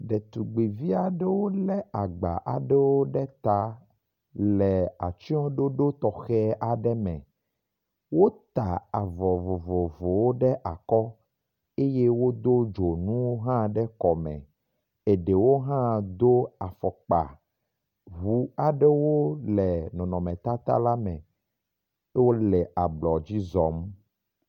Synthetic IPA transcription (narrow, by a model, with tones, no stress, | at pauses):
ɖe˨t̪u˨ɡ͡bi˨vi˦a˨ɖe˦wo˦lɛ˦a˨ɡ͡ba̰˨ʔa̰˨ɖɛ˦wo˦ɖɛ˦t̪a˦ | lɛ˨a˨t͡ʃi˦ɔ̃˦ɖo˦ɖo˦t̪ɔ˨xɛ˦ʔa˨ɖɛ˦mɛ̰̃˨ | wo˦t̪a˨a˨vɔ˨vo˨vɔ˨vo˨wo˦ɖɛ˦ʔa˨kɔ˦ | e˦je˦wo˦d̪o˦d͡ʒo˨nũ˦wo˦ɦã˦ɖɛ˦kɔ˨mɛ̰̃˨ | e˨ɖe˨wo˦ɦã˦d̪o˦a˨fɔ˨k͡pa̰˨ | ɦu˦a˨ɖɛ˦wo˦lɛ˨nɔ̃˨nɔ̃˨mɛ̃˨t̪a˦t̪a̰˦la˦mɛ̰̃˨˦ | wo˦lɛ˨ʔa˨ɡ͡blɔ˨d͡ʑi˦zɔ˨m